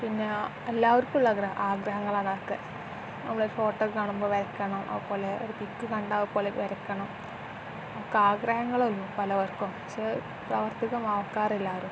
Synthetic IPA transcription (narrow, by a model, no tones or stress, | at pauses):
pinːe̞ | elːaːʋɐɾkʲːuɭːɐɡrɐʔaːɡɾɐɦɐŋːɐɭaːɳɐrkːɨ | nɐmːɐɭoɾufo̞ːʈːɐkkaːɳumboːʋɐɾɐkʲːɐɳɐmɐ̰ðupo̞ːle̞oɾupikːɨkɐɳɖaːʋupo̞ːleʋɐɾɐkʲːɐɳɐm | ɐkːaːɡɾɐhɐŋːɐɭolːupɐlɐʋɐrkumpɐkʂe̞ | prɐʋɐrt̪iɣɐmɐʋɐkːaːrilːaːʋɐɾum